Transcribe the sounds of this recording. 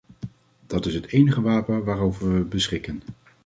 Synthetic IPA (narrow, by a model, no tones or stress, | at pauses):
d̥ɑtɪsɦətejnəχəʋaːpənʋaːrowvəɹʋəbəsχɪkən